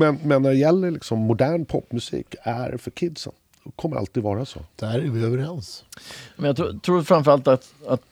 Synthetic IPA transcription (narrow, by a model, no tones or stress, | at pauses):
mɛnmɛnːæɖɛjɛlːəɭɪksɔmːʊd̪æːɳpʰɔpːmɵsḭːkæ̰ɾfœkʰɪd̪sə̰n | kʰɔmːəɾʔa̰lt̪iːd̪vɑːɾaso̰ːd̪̥æɾævɪøːvəɾɛnsjɑmɛnjɑt̪ʰɾut̪ʰɾuːɾfɾanmfœɾalt̪at̪at̪